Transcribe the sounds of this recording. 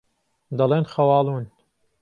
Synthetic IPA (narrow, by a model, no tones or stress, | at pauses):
d̪ɐleːnxɐwɑːlˠuːn